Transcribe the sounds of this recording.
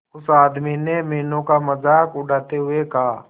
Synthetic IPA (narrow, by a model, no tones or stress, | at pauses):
ʊsaːd̪minemeːnõkamɐzaːkʊɖaːt̪eɦʊekaː